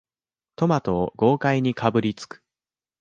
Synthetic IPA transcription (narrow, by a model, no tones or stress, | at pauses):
t̪o̞mat̪o̞ːɡo̞ːkaiɲ̟ikʰabɯ̟ɾʲit͡sɨ̥kɯ̥